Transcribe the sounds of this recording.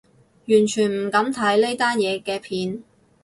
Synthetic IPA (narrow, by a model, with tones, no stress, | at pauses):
jyː˨˩nt͡ʃʰyː˨˩nm̩˨˩kɐ˨˥mt̪ʰɐ˨˥jle˥jt̪aː˥njɛː˨˧kɛː˧pʰiː˨˧n